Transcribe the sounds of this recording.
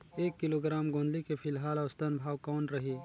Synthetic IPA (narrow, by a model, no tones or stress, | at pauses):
eːkːɪloɡɾaːmɡõːnd̪likepʰɪlɦaːlɐʋst̪ənbʱaːwkɔːnɾɐɦiː